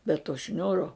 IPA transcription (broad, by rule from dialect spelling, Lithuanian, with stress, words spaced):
bʲɛ toː ˈʃʲnʲuːroː